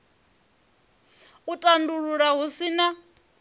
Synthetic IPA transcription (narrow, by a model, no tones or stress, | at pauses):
utʼanduɺuɺaɦusina